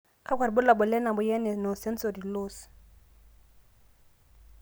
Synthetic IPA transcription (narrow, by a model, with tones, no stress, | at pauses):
kʰa˦ɡʰʷwa˨ɾɪ˨bʊ˦la˨bʊ˨lɛ˦na˨bʊ˨˦jɛ˦nɛ˨no˨sɛ˦n̩˦so˨di˨loː˦sɪ̥˨